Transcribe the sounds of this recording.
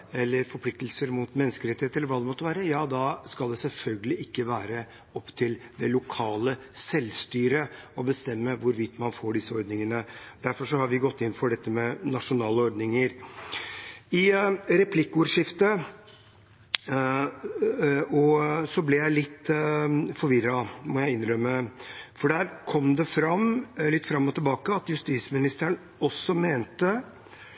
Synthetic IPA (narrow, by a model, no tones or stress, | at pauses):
ɛlːəɾfɔɾpʰlɪkt̪əlsəɾmʊt̪mɛnːəskəɾɛt̪ɪheːəɛlːɾʋɑːd̪ɛmɔt̪ːəʋæːɾəjɑːd̪ɑskɑld̪ɛsɛlfœlɡəlɪɪkːəʋæːɾə | ɔpt̪ʰɪld̪ɛlʊkʰɑːlə | sɛlst̪yːɾəɔbəst̪ɛmːəʋʊɾʋɪt̪ːmɑnfoːɖɪsəɔɾd̪nɪŋənəd̪æɾfɔʂɔhɑɾʋɪɡɔt̪ːɪnːfɔɖɛt̪ːəmɛnɑʂʊnɑːləɔɾd̪nɪŋəɾ | ɪɾɛpʰlɪkːʊɾʂɪft̪ə | ɔsɔblɛjæɪlɪt̪ː | fɔɾʋɪɾːɑmɔjæɪɪnɾœmːəfɔɖæːɾkʰɔmːd̪ɛfɾɑmlɪt̪ːfɾɑmːɔt̪ɪlbɑːkəɑt̪jʉst̪iːsmɪnɪst̪əɳ | ɔsːɔmeːnt̪ə